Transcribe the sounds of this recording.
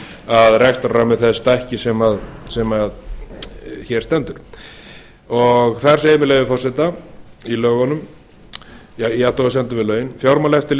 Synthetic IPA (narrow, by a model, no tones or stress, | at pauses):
aðrɛkst̪aramɪðθɛst̪aɛhcɪsɛmaðsɛmað | çɛɾ̥st̪ɛnt̪ʏɾ̥ | ɔɣθaɾ̥seːjɪmɪleːjvɪfɔr̥sɛt̪ailœːɣɔnʏm | jaiat̪oɣas̬ɛnt̪ʏvɪðlœːɥjɪnfjawɾmalɛft̪ɪl